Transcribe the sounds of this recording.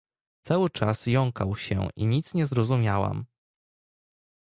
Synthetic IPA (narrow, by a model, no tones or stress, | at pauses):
t̪sawɘt͡ʂasjɔŋkawɕɛ̰ʔiɲit̪sɲɛzɾɔzumʲjawa̰m